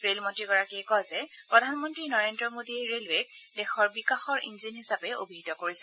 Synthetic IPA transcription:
ɹelmɔntɹiɡɔɹakijkɔjzɛpɹɔdʱanmɔntɹinɔɹendɹɔmodiɛɹelɛɡ̚dɛxɔɹbikaxɔɹʔḭnzinɦisapɛo̰bʱiɦitɔkoɹisɛ

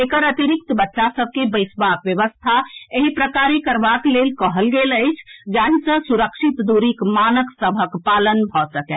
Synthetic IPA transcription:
ekəɾət̪iɾik̚t̪bətːʃasəb̚ʱkebəɪsbakʋjəʋəst̪ʰaeɦipɾəkaɾekəɾbaklelkəɦəlɡeləjt͡ʃʰd͡ʒaɦisə̃suɾəkʃit̪d̪uɾikmanəksəbʱəkpalənbʱɔsəkɛ

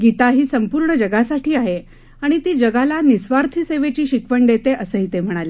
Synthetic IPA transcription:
ɡit̪aɦiːsəmpuɾɳəd͡ʑəɡasaʈʰiːaɦe | aɽ̃it̪iːd͡ʑəɡalanisʋaɾt̪ʰiseʋet͡ɕiːɕikʋəɳɖ̪et̪eʔəsəɦit̪em̤əɽ̃ale

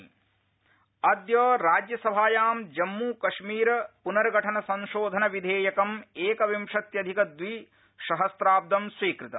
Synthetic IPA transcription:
ɐd̪jɐːɾaːd͡ʒjɐsɐbʱaːjaːmd͡ʒɐmːuːkɐʂmiːɾɐpunɐɾɡʱɐʈʰɐnɐsɐ̃nʃoːd̪ʱɐnɐʋid̪ʱeːjɐkɐmeːkɐʋimʂɐt̪jɐd̪ʱikɐd̪ʋi | ʃɐɦɐst̪ɾaːb̚d̪ɐmsʋiːkɾit̪ɐ

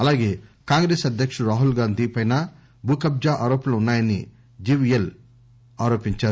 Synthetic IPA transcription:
ɐlaːɡe̞ːkaːŋɡɾeːsɐd̪ʱjɐkʂɐɾaːɦulɡaːnd̪ʱipɐjnɐ | bʱuːkɐb̚d͡ʒaːʔaːɾoːpɐnɐunːaːjɐnḭ | d͡ʒiʋijel | aːɾo̞ːpiɲt͡ʃaːɾu

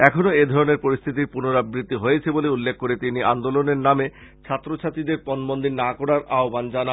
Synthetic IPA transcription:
ɛkʰonoed̪ʱɔɾoneɾpoɾist̪ʰit̪iɾpunoɾabɾit̪ːiɦoet͡ɕʰeboleulːekʰːoɾet̪iniʔand̪oloneɾname | t͡ɕʰat̪ːɾot͡ɕʰat̪id̪eɾpɔnmond̪innakɔɽaɾaɦoband͡ʑana

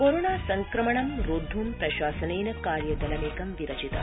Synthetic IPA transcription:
koɾoɳaːsɐŋkɾɐmɐɳɐmɾoːd̪ʱːuːmpɾɐɕaːsɐneːnɐkaːɾjɐd̪ɐlɐmeːkɐmʋiɾɐt͡ʃit̪ɐ̰

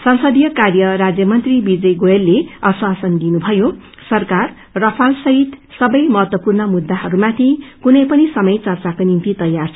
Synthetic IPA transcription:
sʌnsʌd̪ijʌkarjʌɾad͡zjʌmʌnt̪ribid͡zʌjɡoelːeʌswasʌnd̪inubʱʌjo | sʌrkar | rʌpʰalsʌɦit̪sʌbʌjmʌɦʌt̪wʌpurnʌmud̪ːaɦʌɾumat̪ʰikunʌjpʌnisʌmʌjt͡sʌrt͡sakonint̪it̪ʌjart͡sʰ

